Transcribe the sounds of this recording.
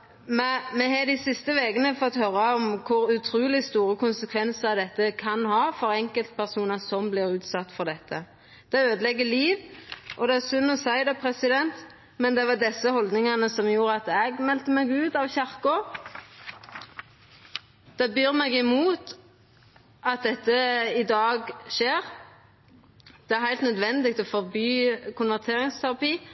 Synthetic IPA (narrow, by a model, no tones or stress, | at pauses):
mɛmɛɦɑd̪ɪsɪst̪əʋeɡənəfɔt̪ːhœɾːɑɔmkʰʊɾʉt̪ʰɾʉːlɪst̪uːɾəkʊnsəkʰʋɛnsəɑd̪ɛt̪ːəkʰɑnhɑːfɔɾɛŋkəlt̪̚pʰæʁsuːnɑsɔmblɪɾʉːt̪sɑt̪ːfɔɾd̪ɛt̪ːə | d̪̥ɛøːd̪əlɛɡːəliːʋʔɔd̪ɛæsʉnːɔsæɪd̪ɑpʰɾɛsɪd̪ɛnt̪ | mɛnd̪ɛʋɑd̪ɛsːəhɔld̪nɪŋɑnəsɔmjuːɾəɑt̪ɛɡmɛlt̪əmɛɡʉːt̪ɑʋçæʁkʊ | d̪̥ɛbyːɾmɛɡɪmuːt̪ | ʔɑt̪̚d̪ɛt̪ːəɪd̪ɑːɡʃeːɾ | d̪̥ɛæɾhæɪlt̪nœd̪ʋɛnd̪ɪɡ̚t̪ɔfɔɾbyːkʰʊnʋæʁt̪ʰeːɾɪŋst̪ʰæɾʁɑpiː